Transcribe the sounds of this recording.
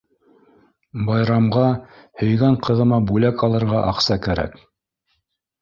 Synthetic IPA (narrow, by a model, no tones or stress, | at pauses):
bɑjɾɑmʁɑhɵ̆jɡæɴqɤ̆ðɤ̆mɑbulækɑlˠɤ̆ɾʁɑʔɑqsɑkæɾæ̰k